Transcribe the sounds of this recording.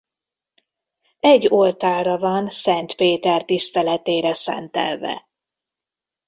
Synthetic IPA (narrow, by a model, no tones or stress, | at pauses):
ɛɟːolt̪aːɾɒvɒnsɛnt̪peːt̪ɛrt̪ist̪ɛlɛt̪eːɾɛsɛ̰nt̪ɛ̰lvɛ̰